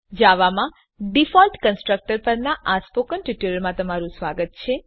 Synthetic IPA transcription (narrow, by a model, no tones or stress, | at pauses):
d͡ʒaʋamã | ɖifɔlʈkənsʈɾək̚ʈəɾpəɾnaʔaspokənʈiʈuɾəɾmãt̪əmaɾũsʋaɡət̪̚t͡ʃʰe